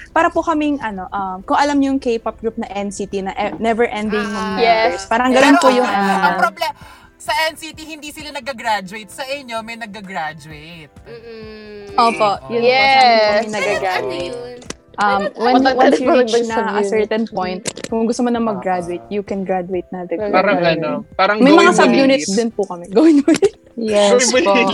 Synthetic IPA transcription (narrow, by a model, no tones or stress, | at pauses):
paːɾɐpʊkɐmɪŋʔɐno̞ʔɐmkʊŋʔɐlamɲojʊŋkejpɐp̚ɡɹup̚nɐʔɛnsit̪inɐʔɛnɛvɛɹʔɛnd̪ɪŋmɐnɛɛɹspaːɾɐŋɡɐnonpʊjʊŋʔɐnoblɛ | sɐʔɛnsit̪ihɪnd̪isɪlanɐɡ̚ɐɡɾad͡ʒʊejt̪̚sɐʔɪɲjomɐjnɐɡɐɡɾad͡ʒʊejt̪̚ | ʔoːpoʔjʊɛɐnɐɡɡaɡɾadʊet̪̚ | ʔɐmwɛwɛnunɐɐssɛɹt̪ɛnpojnt̪̚kʊŋɡʊst̪omɐnɐŋmɐɡɾad͡ʒʊejt̪̚jʊkɛnɡɹad͡ʒʊejt̪̚nɐd̪ɐɡaɾɐɐnpaːɾɐŋmɐjmɐŋasɐbjuːnɪt̪sd̪ɪnpʊkɐmɛɡɐwɪnpo | jɛpo